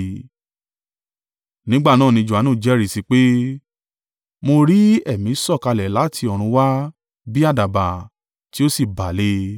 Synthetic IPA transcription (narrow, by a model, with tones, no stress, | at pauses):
nĩ˦ɡ͡ba˦˨nãː˦˨nĩ˧d͡ʒu˨a˨nũː˦˨d͡ʒɛ˦ɾi˦˨si˧k͡pe˦ | mo˧ɾi˦ɛ˦˨mĩ˨˦sɔ˦˨ka˧lɛ˨la˨˦˨tʰi˧ɔ˨ɾ̃ũ˧˦wa˦ | bi˦a˦˨da˨ba˨ | ti˦o˦si˦˨ba˨le˧˦